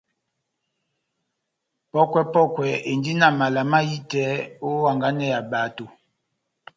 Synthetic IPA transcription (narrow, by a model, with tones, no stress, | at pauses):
pɔ˦kwɛ˦pɔ˦kwɛ˨˦e˨ndi˦na˦˨ma˨la˨ma˦ji˦tɛ˨˦o˦wa˨ŋɡa˦nɛ˦ja˨ba˨˦to˨